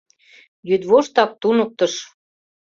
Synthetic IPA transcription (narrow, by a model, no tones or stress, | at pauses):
jyd̪βoʃt̪ɑk̚t̪unə̆k̚t̪ə̆ʃ